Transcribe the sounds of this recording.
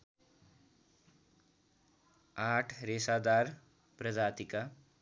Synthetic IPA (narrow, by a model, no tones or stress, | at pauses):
aʈʰresad̪ar | prʌd͡zat̪ika